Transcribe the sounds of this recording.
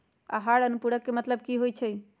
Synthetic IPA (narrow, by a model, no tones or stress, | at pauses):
a̰ɦaɽənupuɽəkːemət̪ləb̚kiɦojt͡ʃʰɛ